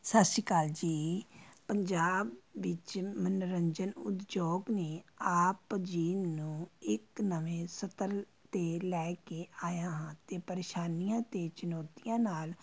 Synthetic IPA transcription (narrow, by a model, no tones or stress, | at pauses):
sət̪ʃikaːld͡ʒiːpəɲd͡ʒaːbːɪt͡ʃmənɾəɲd͡ʒənʊ̰t̪d͡ʒoːɡneːaːpd͡ʒiːnũːɪknəʋẽːsət̪əɾ | t̪eːlɛːkeːaːjãːɦãːt̪eːpəɾeːʃaːnijãːt̪eːt͡ʃʊnɔːt̪ijãːnaːl